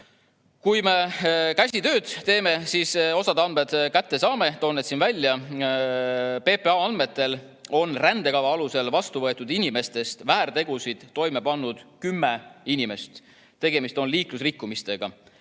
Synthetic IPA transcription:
kujme̞kæsʲit̪øːd̪̥t̪e̞ːme̞siso̞sɑd̪ɑnmed̪̥kæt̪ːe̞sɑːme̞t̪o̞ːnːet̪sinvælʲːjɑ | pe̞peɑɑnd̪me̞t̪ːˑe̞l | o̞nrænd̪̥e̞kɑvɑɑluse̞lvɑst̪uvɤe̞t̪ːˑud̪inʲime̞st̪e̞st̪væːrt̪e̞ɡ̥usid̪̥ːo̞jme̞pɑnːud̪̥kymːe̞inime̞st̪ | t̪e̞ɡ̥e̞mist̪o̞nliːklusrikːumist̪e̞ɡ̥ɑ

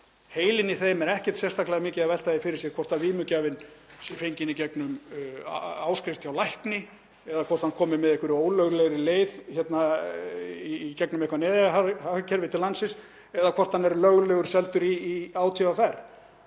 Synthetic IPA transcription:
heːjlɪnɪθejmɛɾɛhcɛ̥t̪sɛ̥st̪ʰaklaɣamɪːcɪaðvɛl̥t̪aðɪfɪɾɪɾsjɛɣkʰvɔr̥t̪aviːmʏcaːvɪnsɛfejɲcɪnicɛknʏm | aːwskɾɪft̪ʰjawlajhknɪ | ɛðakʰvɔr̥t̪hankʰɔːmɪmɛðɛhkvʏɾoːwlœɣlɛɣɾɪleːjðçɛt̪na | iːcɛknʏmehkvanɛːðɪaɦahacʰɛɾvɪt̪ʰɪlansɪs | ɛðakʰvɔr̥t̪hanːɛɾlœɣlɛɣʏɾ̥sɛlt̪ʏɾiːaːwt̪ʰivafɛɾ̥

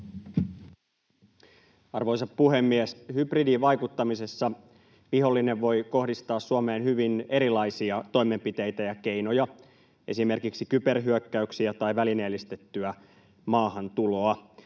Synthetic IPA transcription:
ɑrʋo̞jsɑppuɦe̞mːieshypridiʋɑjkut̪ːɑmise̞sːɑ | ʋiho̞lːine̞ʋʋo̞jko̞hdist̪ɑːsːuome̞ːnhyʋine̞ɾilɑjsiɑt̪o̞jme̞mpit̪e̞jt̪æjɑke̞ino̞jɑ | ʔe̞sime̞rkiksikype̞rɦyøkːæyksiæt̪ɑiʋælineːlːist̪e̞t̪ːyæ | mɑːɦɑnt̪ulo̞ɑ

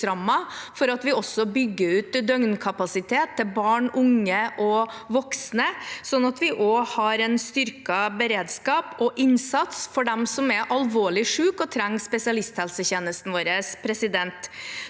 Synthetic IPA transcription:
ɾɑmːɑfɔɾɑt̪ʋɪɔsːɔbʏɡːəʉːt̪d̪œŋnkʰɑpɑsɪt̪ʰeːt̪ʰːɪlbɑːɳʊŋːəʔɔʋɔksnəsɔnːɑt̪ʋɪʔoːhɑɾɛnst̪ʏɾkɑbəɾeːd̪skɑːpɔʔɪnsɑt̪sfɔɖɛmsɔmɛʔɑlʋoːɭɪʂʉːkɔt̪ʰɾɛŋːspɛsɪɑlɪst̪hɛlsəçeːnəst̪n̩ʋoːɾəspʰɾɛsɪd̪ɛnt̪

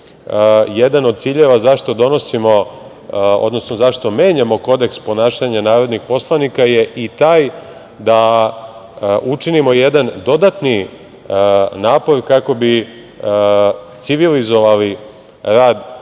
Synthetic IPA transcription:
jed̪anod̪t̪siːʎeʋazaʃt̪o̞d̪o̞no̞simo̞ | o̰d̪no̞snozaʃt̪o̞me̞ːɲamo̞ko̞d̪ekspo̞naːʃaɲanaːɾo̞d̪nixpo̞slˠanikaje̞ʔit̪aːj | d̪a | ʔut͡ʂinimo̞jed̪and̪o̞d̪at̪ni | naːpo̞ɾkako̞bi | t̪siʋilizo̞ʋali | ɾaːd̪

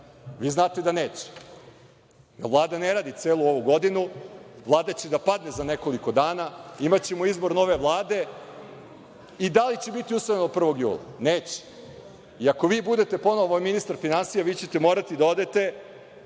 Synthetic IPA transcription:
ʋiːznaːt̪ed̪aneːt͡ɕe̥ | j̪aʋlˠaːd̪aneɾaːd̪it̪seːlˠuo̞ʋuɡo̞d̪inuʋlˠaːd̪at͡ɕe̞d̪apad̪ne̞zane̞ko̞liko̞d̪aːnaimat͡ɕemoizbo̞ɾno̞ʋe̞ʋlˠaːd̪e̞ | id̪alit͡ɕebit̪iusajenopr̩ʋo̞ɡjṵːlˠa̰neːt͡ɕe̥ | iako̞ʋiːbud̪e̞t̪e̞po̞noʋominist̪aɾfinansijaʋiːt͡ɕe̞t̪emoːɾat̪id̪ao̞d̪et̪e̞

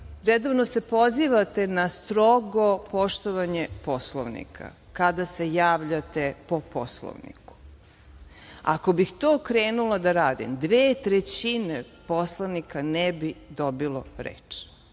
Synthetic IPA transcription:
ɾed̪oʋnose̞po̞ziʋat̪e̞nast̪ɾoɡopo̞ʃt̪oʋaɲepo̞slˠoʋnḭkʰa̰ | kad̪asejaːʋʎat̪e̞po̞po̰slˠo̰ʋnḭku̥ | a̰kobixt̪oːkɾeːnulˠad̪aɾaːd̪ḭmd̪ʋeːt̪ɾet͡ɕine | poslˠaʋnikanɛbid̪o̞bilˠoɾḛt͡ʃ

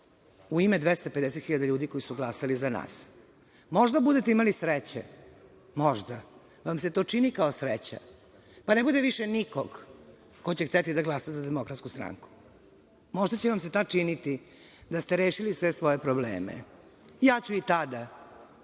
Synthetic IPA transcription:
uimed̪ʋest̪aped̪eset̪xiʎad̪aʎuːd̪iko̞jisuɡlasalizana̰ːs | mo̞ʒd̪abud̪e̞t̪eimalisɾet͡ɕḛ | mo̞ʒd̪a | ʋamset̪o̞ːt͡ʂinikaosɾet͡ɕa̰ | panebud̪eʋiʃenikoɡ | kot͡ɕext̪et̪id̪aɡlˠasazad̪emo̞kɾat̪skust̪ɾa̰ŋku̥ | mo̞ʒd̪at͡ɕeʋams̬et̪at͡ʂinit̪i | d̪ast̪eɾeːʃilisʋesʋo̞je̞pɾoblḛːmḛ | jaːt͡ɕuit̪ad̪a

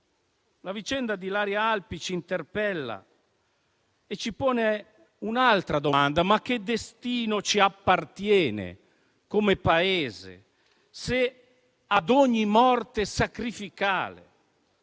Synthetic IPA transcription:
lavit͡ʃɛnd̪ad̪ilaːɾjaalpit͡ʃint̪erpɛlːa̰ | et͡ʃipɔːne | unalt̪ɾad̪oand̪amak̟ːed̪est̪iːnot͡ʃiapːart̪jɛːnḛ | komepaeːzḛ | se | ad̪ɔɲːimɔrt̪esakɾifika̰ːlḛ

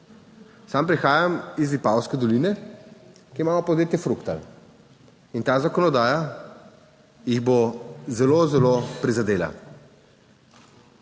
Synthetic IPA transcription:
sampɾixaːjamizipawskɛd̪ɔlinɛ | kiimaːmɔpɔd̪eːt̪jɛfɾukt̪a̰l | int̪aːzakɔnɔd̪aːja | jiɣbozɛlozɛlopɾizad̪eːla̰

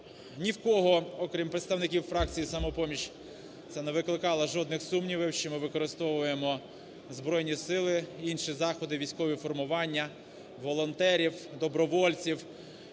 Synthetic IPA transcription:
nʲiwkɔɦɔɔkɾʲimpɾet̪st̪ɐwnɪkʲiwfɾɑk̚t͡sʲijisɐmɔpɔmʲiʃ | t̪sɛneʋɪklˠɪkɑlˠɐʒɔd̪nɪxsumnʲiʋɪwʃt͡ʃɔmɪʋɪkɔɾɪst̪ɔʋʊjemɔ | zbɾɔjnʲisɪlˠɪinʃizɑxɔd̪ɪʋʲijsʲkɔʋʲifɔrmʊʋɑnʲːɐ | ʋɔlˠɔnt̪ɛɾʲiwd̪ɔbɾɔʋɔlʲt͡sʲiw

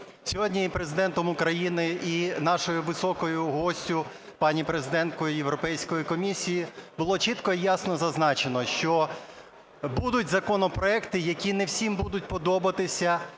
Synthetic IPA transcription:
sʲɔɦɔdʲnʲiipɾezɪd̪ɛnt̪ɔmʊkɾɐjinɪinɑʃɔjʊʋɪsɔkɔjʊɦɔsʲtʲʊ | pɑnʲipɾezɪd̪ɛnt̪kɔjʊjewɾɔpɛjsʲkɔjikɔmʲisʲijibʊlˠɔt͡ʃit̪kɔijɑsnɔzɐznɑt͡ʃenɔʃt͡ʃɔ | bud̪ʊtʲzɐkɔnɔpɾɔɛkt̪ɪjɐkʲinewsʲimbud̪ʊt̚ʲpɔd̪ɔbɐt̪ɪsʲɐ

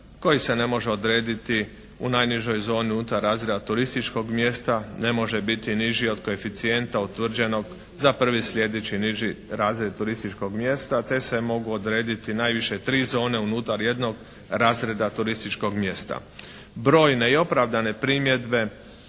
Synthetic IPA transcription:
ko̞jise̞ne̞mo̞ʒe̞o̞d̪ɾe̞ːd̪it̪i | ṵnajniʒo̞jzo̞ːniut̪aɾːaːzɾe̞d̪at̪uɾist̪it͡ʃko̞ɡmjest̪ane̞mo̞ʒe̞bit̪iniʒio̞d̪koe̞fit̪sie̞nt̪aut̪ʋr̩d͡ʒe̞no̞ɡ | zapr̩ʋislʲje̞d̪et͡ɕiniʒiɾaːzɾed̪̚t̪uɾist̪it͡ʃko̞ɡmje̞st̪at̪e̞se̞mo̞ɡuod̪ɾeːd̪it̪inaːjʋiʃe̞t̪ɾiːzo̞ːne̞unuːt̪aɾje̞d̪no̞ɡ | ɾaːzɾe̞d̪at̪uɾist̪it͡ʃko̞ɡmje̞st̪a̰ | bɾo̞ːjne̞io̞pɾaʋd̪ane̞pɾimje̞d̪be̞

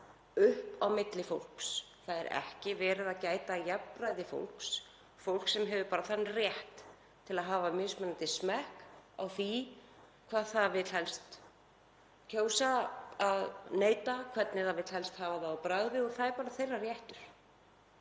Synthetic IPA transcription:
ʏhpawmɪt̪lɪfowl̥ks | θaðɛɾɛ̰hcɪvɛːɾɪðaðcaːjt̪ajɛpɾajðɪfo̰wl̥ks | fowl̥ksɛmɦɛvʏpaːɾaθanːrjɛht̪ | t̪ʰːɪlaðɦaːvamɪːsmɛnant̪ɪsmɛhka̰wθi | kʰvaːðθaðvɪðl̥hɛlst̪ | cʰoːwsaaðneːjt̪akʰvɛt̪nɪθavɪðl̥hɛlst̪haːvaθaːwpɾaɣðɪɔɣθaðɛɾpaːɾaθejrːarjɛht̪ʏɾ̥

